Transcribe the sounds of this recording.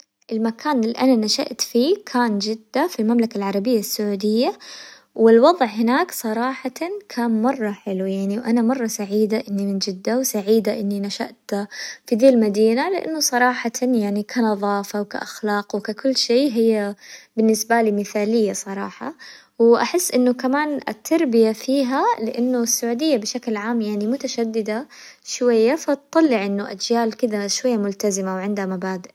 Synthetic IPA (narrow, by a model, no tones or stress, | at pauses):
ʔɪlmakʰaːnɪlːiʔananaʃa̰ʔt̪fiːkʰaːnd͡ʒɪd̪ːafilmamlakalʕɑɾˤɑbɪjːasːʊʕuːd̪ɪjːa | wɪlwɑðˤʕɦɪnaːksˤɑɾˤɑːħɑkʰaːnmɑrˤːɑħɪlujaʕniwʔanamɑrˤːɑsaʕiːd̪aʔɪnːimɪnd͡ʒɪd̪ːawsaʕiːd̪aʔɪnːinaʃa̰ʔt̪fid̪eːlmad̪iːnalɪ̰ʔa̰nːʊsˤɑɾˤɑːħɑjaʕnikʰanɑðˤɑːfawka̰ʔaxlɑːqwkakʊlːʃeːɦɪjːabɪnːɪsbalimɪθaːlɪjːasˤɑɾˤɑ̰ːħɑ̰ | wʔaħɪsːʔɪnːʊkamaːnɪ̰t̪ʰːɑɾˤbɪjafiːɦalɪʔanːʊsːaʕuːd̪ɪjːabɪʃaklʕaːmjaʕnimʊt̪aʃad̪ːɪd̪aʃwajːafat̪t̪ˤːɑlːɪʕʔɪnːʊʔa̰d͡ʒjaːlkɪd̪aʃwajːamʊlt̪azɪmawʕɪnd̪hamabaːd̪ɪʔ